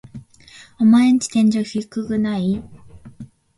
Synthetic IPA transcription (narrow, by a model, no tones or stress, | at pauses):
omaeɲit͡ɕi̥t̪ẽ̞ɲd͡ʑoçikːɯɡɯ̟nai